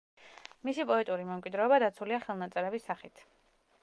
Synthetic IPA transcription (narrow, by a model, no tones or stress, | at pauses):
misipʼɔɛt̪ʼuɾimɛmkʼwid̪ɾɛɔbad̪at̪sʰuliaχɛlˠnat̪sʼɛɾɛbisːaχit̪ʰ